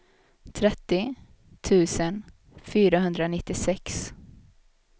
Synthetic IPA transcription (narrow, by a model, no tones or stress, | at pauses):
t̪ʰɾɛt̪ːɪ | t̪ʰʉ̟ːsən | fyːɾaɦɵnd̪ɾanɪt̪ːɪsɛks